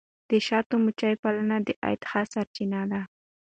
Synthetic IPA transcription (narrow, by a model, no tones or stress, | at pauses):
d̪̥əʃɑt̪omʊt͡ʃajpalanad̪əʔa̰jt̪xasaɾt͡ʃinad̪a